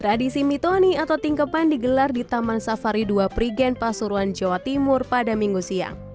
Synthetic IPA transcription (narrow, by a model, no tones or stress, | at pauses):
t̪ɾadisimit̪oniat̪awt̪iŋkəpandiɡəlardit̪amansafaɾiduapɾiɡɛnpasuɾuand͡ʒawat̪imʊrpadamiŋɡusia̰ŋ